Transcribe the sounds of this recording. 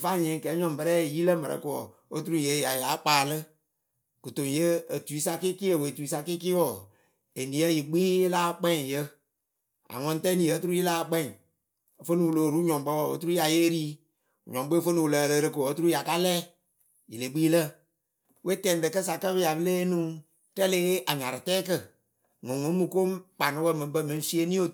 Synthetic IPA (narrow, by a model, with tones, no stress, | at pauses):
fa˦˨ɲẽː˨˦˨kɛː˨˦ɲɔ̃˨m˨bə˧ɾɛː˦˨ji˦lə˦mə˨ɾə̰˨ko˨ɔ˨ | o˦tu˦ɾu˦je˨˦ja˨ja˨˦k͡paː˨lɨ˦ | kɨ˨to˨ŋ˨je˦ə˨tu˨i˨˦sa˧ki˦ki˦ə˨we˨tu˨i˨˦sa˧ki˦ki˦wɔ˨ | e˨nĩ˨˦ə˦ji˨ɡ͡biː˦jlaː˦k͡pɛ̃˦˨jə˦ | a̰˨ŋɔ̃˦n˦tɛ˦nĩ˨ə˦tu˦ɾu˦ji˦laː˦˨k͡pɛ̃˦˨ | fə˦ni˨wu˨lo˨ɾu˦ɲɔ̃˨˦bə˦wɔ˨ə̰˦tu˦ɾu˦ja˨je˦ɾiː˦˨ | ɲɔ̃˨ŋ˦ɡ͡be˦˨fə˦ni˨wu˨lə˨lə˧ɾɨ˧ko˨ə˨˦tu˦ɾu˦ja˨ka˦lɛː˦ | ji˨le˨ɡ͡biː˦lə˦˨ | we˦tɛ˨n˦dɨ˨kə˦s̬a˨kə˦bɨ˦ja˨bɨ˦leː˦nũ˦ | tɛ˦leː˦ʔa˨ɲa˨ɾɨ˨tɛː˦kə˦˨ | ŋɔ̃˨ŋõ˨˦mu˨ko˦mk͡pa˨nɨ˦wə˦˨mɨ̃˨˦bə˦˨mɨ̃˨˦n˦si˦e˦nĩ˦o˨